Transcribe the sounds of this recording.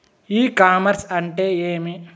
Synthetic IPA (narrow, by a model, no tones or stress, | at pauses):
iːkaːmɐɾsɐɳʈeːeːmi